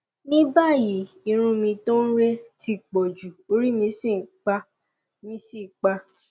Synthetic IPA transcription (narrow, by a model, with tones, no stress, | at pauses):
nĩ˦ba˦˨ji˨˦ | i˧ɾ̃ũ˧mĩ˧to˦n̩˦ɾe˦ti˧k͡pɔ˨d͡ʒu˨o˧ɾi˦mĩ˧si˦˨k͡pa˧ | mĩ˧˦si˦˨k͡pa˧